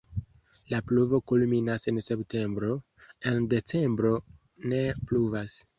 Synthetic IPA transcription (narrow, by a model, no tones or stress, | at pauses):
lapluvo̞kulminase̞nse̞pte̞mbɾo̞ | e̞nde̞t͡se̞mbɾo̞ | ne̞pluvas